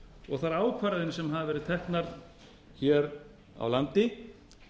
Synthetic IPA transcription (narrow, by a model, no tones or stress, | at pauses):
ɔɣθaɾaːwkʰvaɾaðɪnsɛmɦaðɪvɛɾɪðt̪ʰɛhknaɾ̥ | çɛɾ | a̰wlant̪ɪ